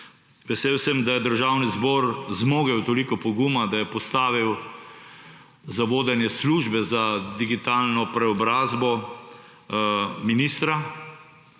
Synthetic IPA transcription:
ʋɛseːwsɛmd̪ajɛd̪əɾʒaːwnizbɔːɾzmoːɡɛwt̪olikɔpɔɡumad̪ajɛpɔst̪aːʋiw | zaʋoːd̪ɛnjɛsluʒbɛzad̪iɡit̪aːlnɔpɾɛɔbɾaːzbɔ | minist̪ɾa

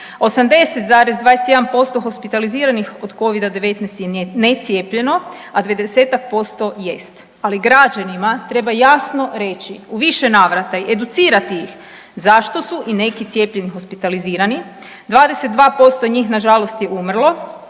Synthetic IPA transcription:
o̞samd̪e̞set̪zaːɾezd̪ʋaːd̪est̪jeampo̞st̪o̞xo̞spit̪aliziːɾanixo̞d̪ko̞ʋid̪ad̪e̞ʋe̞t̪nɛjst̪jenet̪sje̞ːpʎe̞no̞ | ad̪ʋed̪eese̞ːt̪ak̚po̞st̪o̞je̞st̪ | aliɡɾad͡ʑanimat̪ɾe̞bajasno̞ɾe̞t͡ʃiuʋiʃe̞naːʋɾat̪aiʔe̞d̪ut̪siːɾat̪iix | zaʃt̪o̞suʔine̞kit̪sje̞ːpʎe̞nixo̞spit̪aliziːɾani | d̪ʋaːd̪e̞set̪d̪ʋaːpo̞st̪o̞ɲiːxnaʒalost̪je̞ʔumr̩lˠo̞

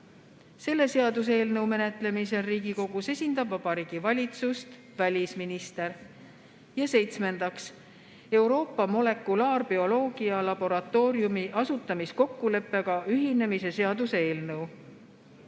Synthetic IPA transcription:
se̞lːe̞se̞ɑd̪us̬eːlnɤwme̞ne̞t̪ˑle̞mise̞ːiːɡ̥iko̞ɡ̥use̞sʲind̪ɑbvɑb̥ɑɾiːɡ̥ivɑlʲit̪sust̪ | vælʲisminist̪e̞ɾ | jɑse̞jt̪sme̞nd̪ɑks | e̞wɾo̞ːpːˑɑmo̞le̞kːulɑːrb̥io̞lo̞ːɡ̥iɑlɑb̥o̞ɾɑt̪ːˑo̞ːɾjumiʔɑsut̪ˑːɑmisko̞kːule̞pːe̞ɡ̥ɑyɦine̞mise̞se̞ɑd̪useeːlnɤw

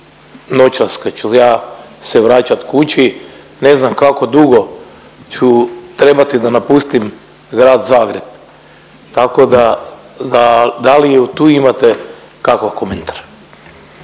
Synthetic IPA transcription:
not͡ʃasket͡ʃujaːseʋɾaːt͡ʃat̪kut͡ɕi | ne̞znamkako̞d̪uɡo̞ | t͡ʃut̪ɾe̞bat̪id̪anapust̪im | ɡɾaːd̪zaːɡɾeb̚ | t̪ako̞d̪a | ad̪alijeut̪uːimat̪e | kakʋakoment̪ʰḁɾ

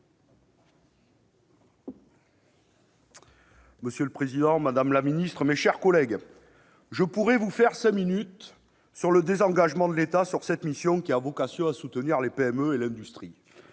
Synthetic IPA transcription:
məsjøləpχezid̪ɑ̃mad̪amlaminist̪χəmeʃɛʁkɔlɛɡ | ʒəpuʁɛvufɛʁsɛ̃minyt̪ | syʁləd̪ezɑ̃ɡaʒəmɑ̃d̪əlet̪asyʁsɛt̪misjɔ̃kʲiavɔkasjɔ̃asut̪əniʁlepeɛmøelɛ̃d̪yst̪χi

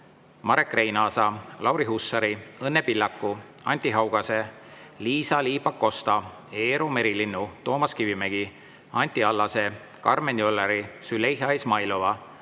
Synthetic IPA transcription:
mɑɾe̞kːˑre̞jnɑːsɑlʔɑwɾiɦusːɑɾiɤnːepilːɑkːˑu | ɑ̰nʲt̪ʲːiɦɑwɡ̥ɑse̞ | liːsɑliːpːɑkːo̞st̪ɑ | e̞ːɾome̞ɾilinːut̪o̞ːmɑskivimeɡ̥i | ɑnʲt̪ʲːiɑlːɑse̞ | kɑrmenʲiolːɑɾisyle̞jɦɑismɑjlo̞vɑ

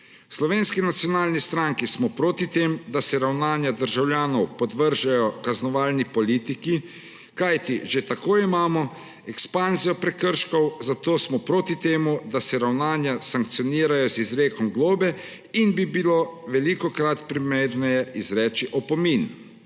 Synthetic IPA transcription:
slɔʋeːnskinat̪sjɔnaːlnist̪ɾaŋkismɔpɾoːt̪it̪eːmd̪asɛɾawnaːnjad̪əɾʒawlʲjaːnɔwpɔd̪ʋəɾʒajɔkaznɔʋaːlnipɔliːt̪iki | kajt̪iʒet̪akoːimaːmɔ | ɛkspanzijɔpɾɛkəɾʃkɔwzat̪oːsmɔpɾoːt̪it̪eːmud̪asɛɾawnaːnjasaŋkt̪sijɔniːɾajɔzizɾeːkɔmɡloːbɛ | inbibiloʋɛlikɔkɾat̪pɾimeːɾnɛjɛʔizɾɛːt͡ʃiʔɔpɔmin

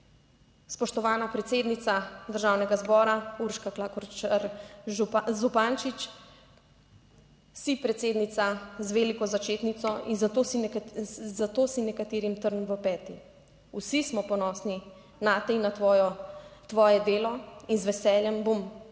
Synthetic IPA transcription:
spɔʃt̪ɔʋaːnapɾɛt̪seːd̪nit̪sad̪əɾʒaːwnɛɡazbɔːɾauɾʃkaklakɔɾt͡ʃɾ | zupaːnt͡ʃit͡ʃ | sipɾɛt̪seːd̪nit̪sazʋelikɔzat͡ʃeːt̪nit̪sɔinzat̪oi | zat̪oːsinɛkat̪eːɾimt̪əɾnmʋəpɛːt̪i | usismɔpɔnɔːsni | naːt̪ɛinaɔjt̪ʋɔːjɛd̪eːlɔinzʋɛsɛːljɛmbom

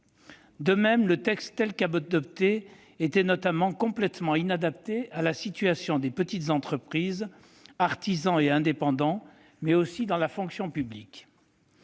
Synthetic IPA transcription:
d̪əmɛmlət̪ɛkst̪ːɛlkabɔd̪ɔp̚t̪e | et̪ɛnɔt̪amɑ̃kɔ̃plɛt̪mɑ̃inad̪ap̚t̪ealasit̪yasjɔ̃d̪epət̪it̪zɑ̃t̪χəpχiz | aʁt̪izɑ̃eɛ̃d̪epɑ̃d̪ɑ̃ | mɛosid̪ɑ̃lafɔ̃ksjɔ̃pyblik

